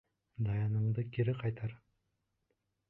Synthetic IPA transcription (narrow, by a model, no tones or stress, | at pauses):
d̪ɑjɑnə̆ɴd̪əkʲʰeɾɪqʰɑjt̪ɑɾ